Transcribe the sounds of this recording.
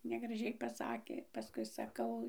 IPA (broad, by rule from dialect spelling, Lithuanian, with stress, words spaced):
nʲɛɡrɐˈʒʲɛɪ pɐˈsɑːkʲeː pɐˈskʊɪ sɐˈkɐʊ